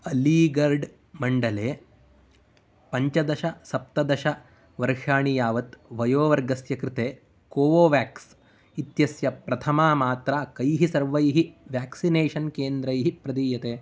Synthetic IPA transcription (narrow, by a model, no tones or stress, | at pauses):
ɐliːɡɐɾɖ | mɐɳɖɐleː | pɐɲt͡ʃɐd̪ɐʃɐsɐp̚t̪ɐd̪ɐʃɐ | ʋɐɾʂaːɳijaːʋɐt̪ʋɐjoːʋɐɾɡɐsjɐkɾɪt̪eː | koːʋoːʋjaːks | it̪jɐsjɐpɾɐt̪ʰɐmaːmaːt̪ɾakɐjɦisɐɾʋɐjɦiʋjaːksineːʂɐnkeːnd̪ɾɐjɦipɾɐd̪iːjɐt̪eː